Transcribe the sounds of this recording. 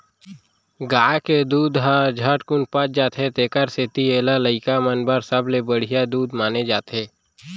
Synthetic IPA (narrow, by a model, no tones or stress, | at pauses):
ɡaːked̪uːd̪ɦad͡ʒʱəʈkʊnpət͡ʃ̚d͡ʒaːt̪ʰet̪eːkəɾseːt̪ieːlaləɪkamənbəɾsəblebəɽ̤ijad̪uːd̪maːned͡ʒaːt̪eː